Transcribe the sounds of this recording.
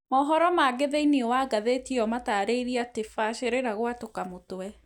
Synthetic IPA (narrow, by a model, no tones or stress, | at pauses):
mɔːɦɔɾɔmaːɡeðeineɔwaɡaðetiɔmataːɾeiɾiatefaɕʃeɾeɾaɣwatokamotwɛ